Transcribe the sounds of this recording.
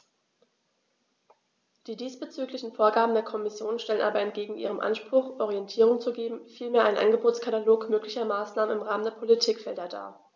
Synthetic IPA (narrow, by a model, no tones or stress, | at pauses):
d̥iːdiːsb̥ət͡syːklɪçn̩foːɐɡaːbm̩deːɐkʰɔmɪsjoːnʃtɛlənʔa̰ːbɐɛnt̚ɡ̥eːɡŋ̩ʔḭːʁ̞əmʔa̰nʃpʁ̥ʊxʔɔʁiɛntʰiːʁ̞ʊŋt͡suɡeːbm̩fiːlmeːɐʔaɪnʔa̰nɡəboːt͡skʰataloːkmøːklɪçɐmaːsnaːmənɪmʁaːməndeːɐpʰolitʰiːkfɛldɐda̰ːɐ